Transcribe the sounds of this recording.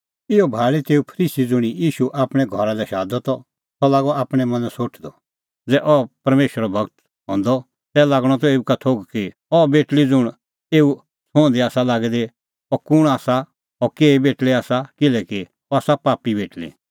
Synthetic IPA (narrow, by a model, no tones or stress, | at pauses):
ɪɔbʱaːɭit̪eːupʰəɾiːsid͡zʊɽ̃ijiːʃuʔaːpɽ̃ɛɡʱɔɾad̪ɛʃaːd̪ɔt̪ɔ | t̪ɔlaːɡɔaːpɽ̃ɛmɐ̃nd͡zsoːʈʰd̪ɔ | d͡zɛʔɔpɐɾmeːʃəɾɔbʱɐɡt̪ | ɦɔ̃ːnd̪ɔ | t̪ɛlaːɡɽ̃ɔt̪ɔeːukat̪ʰoːɡki | ɔbeːʈlid͡zʊɽ̃ | eːu | sõːnd̪iaːsalaːɡid̪e | ɔkʊɽ̃aːsa | ɔkeːibeːʈliaːsakɪlɛki | ɔaːsapaːpːibeːʈlḭ